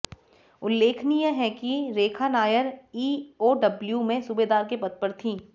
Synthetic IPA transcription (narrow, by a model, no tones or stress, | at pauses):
ʊlːeːkʰnijẽɦɛkiɾeːkʰanaːjəɾiːoːɖɐbljumẽsubed̪aːɾkepɐt̪̚pəɾt̪ʰĩː